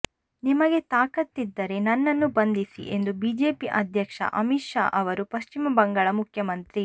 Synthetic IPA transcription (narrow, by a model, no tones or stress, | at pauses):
nimɐɡe̞t̪aːkɐt̪ːid̪ːɐɾe̞nɐnːɐnːubɐnd̪isḭʔe̞nd̪ubiːd͡ʒe̞ːpiʔɐd̪ʱjɐkʂɐ̰ʔɐmiʃa̰ːʔɐʋɐɾupɐʃt͡ʃimɐbɐŋɡaːɭɐmukʰjɐmɐnt̪ɾi